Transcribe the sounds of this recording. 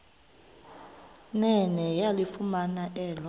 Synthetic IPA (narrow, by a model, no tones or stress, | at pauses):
nɛnɛjalifumanaʔɛːlɔ